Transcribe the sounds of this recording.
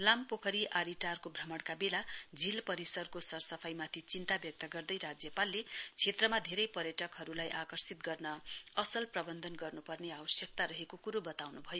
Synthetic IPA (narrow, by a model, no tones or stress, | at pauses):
lampokʰʌɾiʔaɾiʈarkobʱrʌmʌɽkabelad͡zilpʌɾisʌrkosʌrsʌpʰajmat̪ʰit͡sint̪abjʌk̚t̪ʌɡʌrd̪ʌjɾad͡zjʌpalːet͡sʰet̪rʌmad̪ʱeɾʌjpʌɾjʌʈʌkɦʌɾulajʔakʌrsit̪̚ɡʌrnʌʌsʌlprʌbʌnd̪ʱʌnɡʌrnupʌrneawʌsjʌk̚t̪aɾʌɦekokuɾobʌt̪awnubʱʌjo